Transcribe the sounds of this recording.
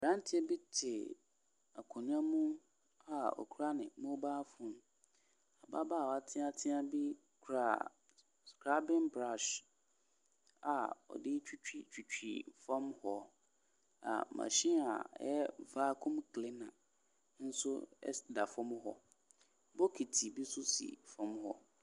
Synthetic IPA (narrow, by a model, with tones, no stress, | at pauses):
ɾã˦n˦tʰɪ˦ɛ˦bi˦tʰɪ˨ | a˨kʰɔ̃˨nʊ̃˦a˦mũ˦ | a˨ɔ̰˨kʰu˦ɾa˦nɪ̃˨mõ˦baː˦fʊ̃˨n˦ | a˨ba˦baː˦˨a˨tʰɪ̃˦a˨tʰɪ̃˦a˨bi˦ | kʰu˨ɾa˨ | skɾa˦bɪ̃˦nbɾa˦˨ʃ | a˨ɔ̰˨dɪ˦t͡ɕᶣi˦t͡ɕᶣi˨t͡ɕᶣi˨t͡ɕᶣḭ˨fã˦mhɔ˦ | a̰˨mã̰˨ɕĩ˦a̰˨˦jɛ˦vaː˦kʰʊ̃˦mkʰlɪ˦nã˨ | n̩˦sʊ˦ɛ̰˦da˨fʊ̃˦m̃˦ɦɔ˦ | bɔ˦kʰi˨tʰi˨bi˦sʊ˦sḭ˨fɔ̃˦mhɔ˦